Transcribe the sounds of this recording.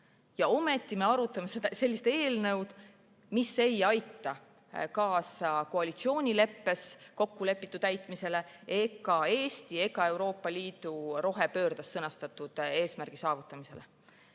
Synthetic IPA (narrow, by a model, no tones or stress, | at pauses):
jɑo̞me̞t̪ːˑime̞ɑɾut̪ːˑɑmesed̪ɑse̞lʲːist̪e̞ːlnɤ̞wd̪̥ | misːe̞jɑjt̪ːˑɑ | kɑːsɑko̞ɑlʲit̪sio̞ːnʲile̞pːe̞sko̞kːule̞pːit̪ːˑut̪æjt̪ˑmise̞le̞ | e̞ɡ̥ɑe̞ːst̪ie̞ɡɑe̞wɾo̞ːpːˑɑliːd̪̥uɾo̞ɦepø̞ːrd̪̥ɑsːɤnɑst̪ɑt̪ud̪̥e̞ːsmærɡ̥isɑːvut̪ːˑɑmise̞̰le̞